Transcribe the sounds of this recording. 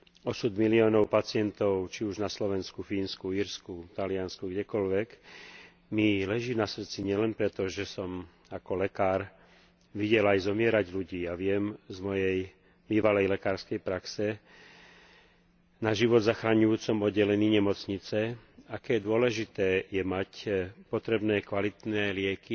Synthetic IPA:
ɔsud̪miliɔːnɔʊpat͡sɪɛnt̪ɔʊt͡ʃiuʒnaslɔʋɛnskufiːnskuiɾskut̪alɪanskuɡɟɛkɔlʋɛk | milɛʒiːnasr̩t͡siɲɪɛlɛnpɾɛt̪ɔʒɛsɔm | akɔlɛkaːɾ | ʋiɟɛlajzɔmɪɛɾaɟluɟiːaʋɪɛmzmɔjɛj | biːʋalɛjlɛkaːɾskɛjpɾaksɛ | naʒiʋɔd̪zaxɾaɲujuːt͡sɔmɔd̪ːɛlɛniːɲɛmɔt͡sɲit͡sɛakɛːd̪ʊɔlɛʒit̪ɛːjɛmacpɔt̪ɾɛbnɛːkʋalit̪nɛːlɪɛki

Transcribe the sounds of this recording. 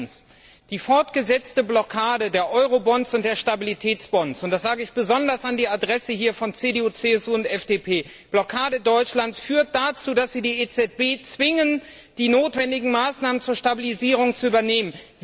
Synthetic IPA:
s | d̥iːfɔɐtɡ̥əzɛt͡stəblɔkʰaːdədeːɐʔɔʏʁobɔnsʊnt̚d̥eːɐʃtabilitʰɛːt͡sb̥ɔnsʊntd̥asz̥aːɡəɪçb̥əzɔndɐsandiːadʁɛsəhiːɐfɔnt͡seːdeuːt͡seːɛsuːʊntʔɛfd̥eːpʰeː | b̥lɔkʰaːdədɔʏt͡ʃlant͡ssfyːɐt̚d̥at͡suːdasz̥iːdiːet͡sɛt̚b̥eːt͡sv̥ɪŋən | d̥iːnoːtv̥ɛndɪɡŋ̩maːsnaːmənt͡suːɐʃtabiliziːʁ̞ʊŋt͡suʔyːbɐneːmənz

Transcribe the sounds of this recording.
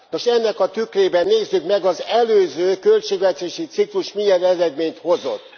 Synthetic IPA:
no̞ʃɛnːɛkɒt̪ykreːbɛnːeːzːykmɛɡɒzɛløːzøːkø̞lt͡ʃeːɡvɛt̪eːʃit̪sikluʃmijɛnɛɾɛd̪meːɲt̪ho̞zo̞̰t̪ː

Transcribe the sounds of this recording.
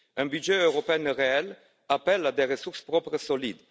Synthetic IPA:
ɛ̃byʒeøʁɔpeɛnʁeɛl | apɛlad̪eʁəsuʁspɾɔpɾəsolid̪

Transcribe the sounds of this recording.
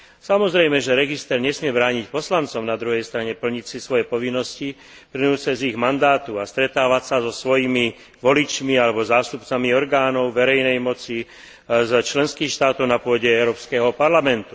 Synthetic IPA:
samɔzɾɛjmɛʒɛɾɛɡist̪ɛɾɲɛsmɪɛbɾaːɲicpɔslant͡sɔʊnad̪ɾuɦɛjst̪ɾaɲɛpl̩ɲicsisʋɔjɛpɔʋinːɔsci | pɾinuːsɛziɣmand̪aːt̪uast̪ɾɛt̪aːʋacsazɔsʋɔjimi | ʋɔlit͡ʃmialɛbɔzaːst̪upt͡samiɔɾɡaːnɔʊʋɛɾɛjnɛjmɔt͡si | zt͡ʃlɛnskiːxʃt̪aːt̪ɔʊnapʊɔɟɛɛʊɾɔːpskɛɦɔpaɾlamɛnt̪u

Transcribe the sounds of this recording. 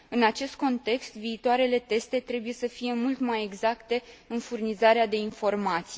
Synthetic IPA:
ɨnat͡ʃe̞st̪̚ko̞nt̪e̞kst̪viːt̪oaɾe̞le̞t̪e̞st̪e̞t̪ɾe̞buje̞səfije̞mult̪maje̞ɡzakt̪e̞ɨnfurnizaɾead̪e̞info̞rmat̪si

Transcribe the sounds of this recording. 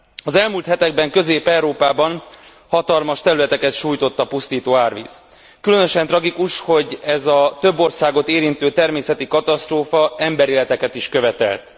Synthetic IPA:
ɒzɛlmuːlt̪hɛt̪ɛɡ̚bɛŋkø̞zeːpɛwɾoːpaːbɒn | hɒt̪ɒlmɒʃt̪ɛɾylɛt̪ɛkɛt̪ʃuːjt̪o̞t̪ːɒpust̪iːt̪oːaːrʋḭːs | kylø̞nø̞ʃɛnt̪rɒɡikuʃho̞ɟɛzɒt̪ø̞bːo̞rsaːɡo̞t̪eːɾint̪øːt̪ɛrmeːsɛt̪ikɒt̪ɒst̪roːfɒɛmbɛɾeːlɛt̪ɛkɛt̪iʃkø̞vɛt̪ɛ̰lt̪

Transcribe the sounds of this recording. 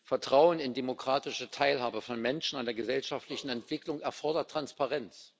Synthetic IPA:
fɛɐtʁ̥aʊənɪndemokʁ̥aːtɪʃətʰaɪlhaːbəfɔnmɛnʃn̩andeːɐɡəzɛlʃaftlɪçn̩ɛntv̥ɪklʊŋɛɐfɔɐdɐtːʁ̥anspaʁɛnt͡s

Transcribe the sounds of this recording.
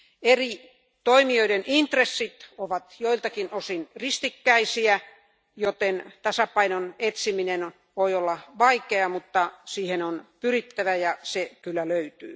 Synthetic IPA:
eri | t̪oimioidenʔint̪resːit̪oʋɑt̪joilt̪ɑkinosinrist̪ikːæisiæ | jot̪ent̪ɑsɑpɑinonet̪siminen | ʋoiolːɑʋɑikeɑmut̪ːɑsiːhenonpyrit̪ːæʋæjɑsekylːæløyt̪yː

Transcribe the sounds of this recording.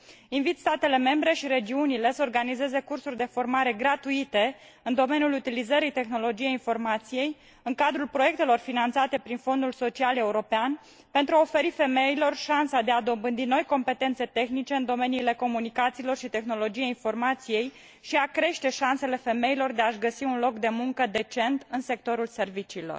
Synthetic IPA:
invit̪st̪at̪e̞le̞me̞mbɾe̞ʃiɾe̞d͡ʒiunile̞səorɡanize̞ze̞kursurʲd̪e̞fo̞rmaɾe̞ɡɾat̪uit̪e̞ | ɨnd̪o̞menijulut̪ilizəɾijt̪e̞xno̞lo̞d͡ʒijejinfo̞rmat̪sije̞j | ɨŋkad̪ɾulpɾo̞je̞k̚t̪e̞lo̞rfinant̪sat̪e̞pɾinfo̞nd̪ulso̞t͡ʃiale̞uɾo̞pean | pe̞nt̪ɾuaofe̞ɾife̞me̞ilo̞rʃansad̪e̞ad̪o̞mbɨnd̪ino̞jko̞mpe̞t̪e̞nt̪se̞t̪e̞xnit͡ʃe̞ɨnd̪o̞me̞niːle̞ko̞munikat̪silo̞rʃit̪e̞xno̞lo̞d͡ʒijeinfo̞rmat̪sije̞j | ʃiakɾe̞ʃt̪e̞ʃanse̞le̞fe̞me̞ilo̞rd̪e̞aʃɡəsiunlo̞kd̪e̞muŋkəd̪e̞t͡ʃe̞nt̪ɨnse̞k̚t̪o̞ɾulse̞rvit͡ʃiːlo̞̰r

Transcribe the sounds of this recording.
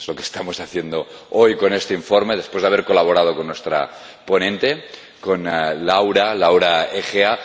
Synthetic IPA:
zlokest̪amosaθjend̪oojkonest̪eiɱfoɾme̞ð̞e̞spwezðaβeɾko̞laβ̞oɾað̞okonːwe̞st̪ɾa̰ | ponẽnt̪e̞ | konlawɾalawɾaexea

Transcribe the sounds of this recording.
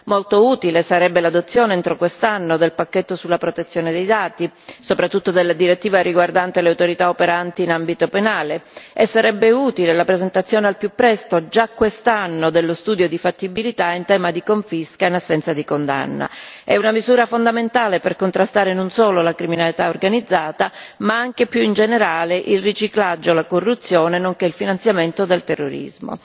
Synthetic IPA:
molt̪ouːt̪ilesaɾɛbːelad̪ot̪sːjoːneɛnt̪ɾokwest̪anːod̪elpakːet̪ːosulːapɾot̪et̪sːjoːned̪ejd̪aːt̪isopɾat̪ːut̪ːod̪elːad̪iɾet̪ːiːvaɾiɡward̪ant̪eleawt̪oɾit̪aopeɾant̪iːnambit̪openaːleesːaɾɛbːeuːt̪ilelapɾezent̪at̪sːjoːnealpjupːɾɛst̪od͡ʒakːwest̪anːod̪elːost̪uːd̪jod̪ifat̪ːibilit̪aint̪ɛːmad̪ikoɱfiskainasːɛnt̪sad̪ikond̪a̰nːa̰ɛunamizuːɾafond̪ament̪aːleperkont̪ɾast̪aːɾenonsoːlolakɾiminalit̪aorɡanid̪zːaːt̪amaaŋk̟epjuind͡ʒeneɾaːleʔilrit͡ʃiklad͡ʒːolakorːut̪sːjoːnenoŋkeilfinant̪sjament̪od̪elt̪erːoɾḭzmo̰

